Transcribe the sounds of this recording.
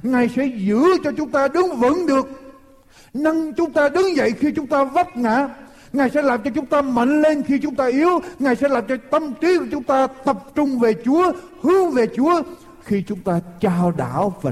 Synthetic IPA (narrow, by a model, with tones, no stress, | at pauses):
ŋaː˨˩jsɛ̰˧˥zɨ̰˧˥t͡ɕɔ˧t͡ɕʊ˨˦ŋ͡mt̪aː˧ɗɨ˨˦ŋvə̰˧˥nɗɨ˨˩ək̚ | na˧ŋt͡ɕʊ˨˦ŋ͡mt̪aː˧ɗɨ˨˦ŋzə̰˧˨jxi˧t͡ɕʊ˨˦ŋ͡mt̪aː˧və˦˥p̚ŋa̰ː˧˨ | ŋaː˨˩jsɛ̰˧˥laː˨˩mt͡ɕɔ˧t͡ɕʊ˨˦ŋ͡mt̪aː˧mə̰˧˨ŋle˧nxi˧t͡ɕʊ˨˦ŋ͡mt̪aː˧ʔi˨˦əwŋaː˨˩jsɛ̰˧˥laː˨˩mt͡ɕɔ˧t̪ə˧mt̪i˨˦kuː˨˧˩t͡ɕʊ˨˦ŋ͡mt̪aː˧t̪ə˨˩p̚t͡ɕʊ˧ŋ͡mve˨˩t͡ɕu˨˦ə | hɨ˨˦əŋve˨˩t͡ɕu˨˦ə | xi˧t͡ɕʊ˨˦ŋ͡mt̪aː˧t͡ɕaː˧ɗa̰ː˧˩˨wva˨˩